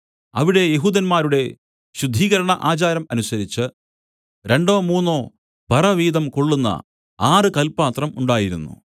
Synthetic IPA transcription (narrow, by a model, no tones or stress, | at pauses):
ɐʋiɽe̞jeɦuːd̪ɐnmaːɾuɽe̞ | ɕud̪ʱːiːɣɐɾɐɳɐʔaːt͡ɕaːɾɐmɐnusɐɾit͡ɕːɨ | ɾeɳɖo̞ːmuːnːo̞ː | bʱɐrɐʋiːðɐmkoɭːunːɐ̰ | baːrɨkɐlpaːt̪rɐmuɳɖaːjiɾṵnːṵ